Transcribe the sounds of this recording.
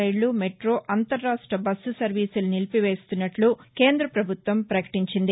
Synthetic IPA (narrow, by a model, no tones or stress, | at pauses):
ɐjlumeʈɾo̞ːʔɐnt̪ɐɾːaːʂʈɾɐbɐsːusɐɾʋiːsulunilpiʋe̞ːst̪unːɐʈluke̞ːnd̪ɾɐpɾɐbʱut̪ʋɐmpɾɐkɐ̥ʈiɲt͡ʃind̪i